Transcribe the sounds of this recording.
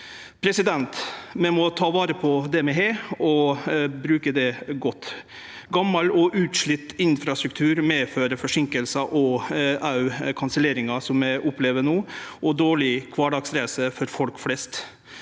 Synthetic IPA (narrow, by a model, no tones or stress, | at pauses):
pʰɾɛsɪd̪ɛnt̪mɛmɔt̪ʰɑːʋɑːɾəpʰɔd̪ɛmɛɦeːɔbɾʉːkəd̪ɛɡɔt̪ː | ɡɑmːɑlɔʔʉːt̪ʂɭɪt̪ːɪnfɾɑst̪ɾʉk̚t̪ʰʉːɾmeːføːɾəfɔʂɪŋkəlsɑʔɔʔɑʉkʰɑnsəleːɾɪŋɑsɔmæɪʔʊpleːʋənoːʔɔd̪oːɭɪkʰʋɑːɖɑːɡsɾæɪsəfɔɾfɔlkflɛst̪